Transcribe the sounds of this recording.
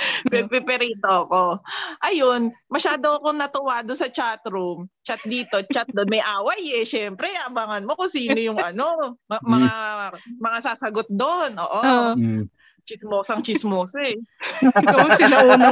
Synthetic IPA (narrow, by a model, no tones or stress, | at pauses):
pɛpɛpɛɾiːt̪oɐko̞ʔɐjonmɐʃaːd̪oɐko̞nɐt̪ʊwaːd̪osɐt͡ʃat̪ɾumt͡ʃat̪̚d̪iːt̪o̞t͡ʃat̪̚d̪onmɐjʔaːwɐjɛʃɛmpɾɛɐɐbaŋɐnmo̞kʊŋsiːnojʊŋɐno̞mɐŋamɐŋasaːsɐɡot̪̚d̪onʔo̰ːʔo | t͡ʃɪsmoːsɐŋt͡ʃɪsmoːsɐɛ | ɐosɪnɐunɐ